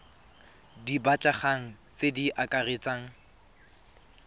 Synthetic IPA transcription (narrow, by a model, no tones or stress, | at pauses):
dibat͡ɬʼaχaŋ̩ | t͡sediʔakʼaret͡sʼaːŋ̩